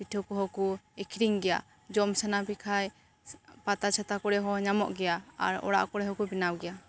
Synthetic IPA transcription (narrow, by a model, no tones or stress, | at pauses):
piʈʰɔkɔɦɔkuɛkʰiɾiŋɡɛja̰ | d͡ʒɔmsanapikʰaj | pat̪at͡ʃʰat̪akɔɽɛɦɔɲamɔ̰ʔɡɛjaa̰ɾɔ̰ɽa̰ʔkɔɽɛɦɔkubinawɡɛja